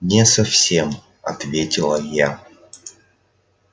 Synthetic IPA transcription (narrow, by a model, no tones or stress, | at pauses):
nʲɛsafsʲem | ɐ̰t̪vʲetʲɪlˠəja